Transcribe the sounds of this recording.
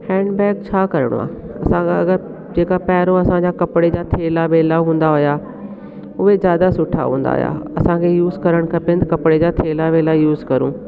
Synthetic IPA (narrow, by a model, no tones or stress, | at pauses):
hɛ̃ːɳɖbɛːk̚t͡ɕʰaːkɐɾəɽ̰̃a̰ː | ɐsãɐɡəɾ | d͡ʑeːkapɛːɦɪɾõɐsãɲd͡ʑakɐpɽed͡ʑat̪ʰeːlaʋeːlaɦũːnd̪aɦʊja | ʊɦezjaːd̪asʊʈʰːa̰ɦũːnd̪a̰ɦʊ̰ja̰ɐsãkʰejuːzkɐɾəɽ̃kʰɐpẽnt̪kɐpɽed͡ʑat̪ʰeːlaʋeːlajuːzkɐɾṵ̃ː